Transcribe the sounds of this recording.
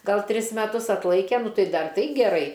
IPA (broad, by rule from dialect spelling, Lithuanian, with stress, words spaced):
ˈɡɐlˠ ˈtʲrʲɪs mʲɛˈtʊs ɐtˈlˠɐɪkʲɛ ˈnʊ ˈtɐɪ ˈdɐr ˈtɐɪ ɡʲɛˈrɐɪ